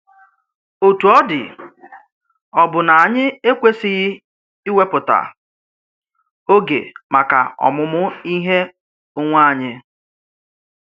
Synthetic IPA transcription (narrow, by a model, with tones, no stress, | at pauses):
o˨tu˨ɔ˦dɪ̰˨ | ɔ˨bʊ˨na˨a˨ɲɪ˦e˦kʷe˦sɪ˦ɣɪ˦ | i˦we˦pʊ˨ta̰˨ | o˦ɡḛ˨ma˨ka̰˨ɔ̰˨mʊ˦mʊ˦i˦ɦe˦ | ʊ˦ŋʷa˦˨ɲɪ˦